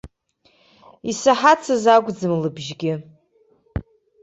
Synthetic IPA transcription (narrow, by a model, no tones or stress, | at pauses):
isaħat͡sʰazaɡʷd͡zɨmlɨbʒɡʲɪ